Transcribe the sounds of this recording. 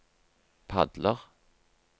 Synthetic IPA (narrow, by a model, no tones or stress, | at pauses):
pʰa̰d̪ləʁ